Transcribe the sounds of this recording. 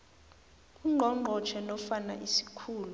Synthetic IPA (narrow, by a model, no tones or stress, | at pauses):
uŋ͡ǃʱɔŋ͡ǃʱɔt͡ʃʰɛnɔfana̰ʔisi̥kʰuːlu